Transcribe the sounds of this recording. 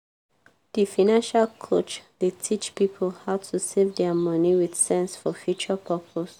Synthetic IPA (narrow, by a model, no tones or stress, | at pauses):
d̥ifanãnʃalkʰot͡ʃdetʰit͡ʃpipʰəlhaʊtʰusevdɛmʌniwid̥sɛ̃nsfɔfjut͡ʃəpʰɜpʰos